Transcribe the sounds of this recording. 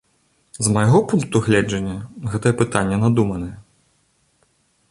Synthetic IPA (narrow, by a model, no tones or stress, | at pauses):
zmɐjɣɔpunk̚t̪uɣlʲɛd͡ʐɐnʲːɐɣɛt̪ɐjɛpɨt̪anʲːɐnad̪umɐnɐjɐ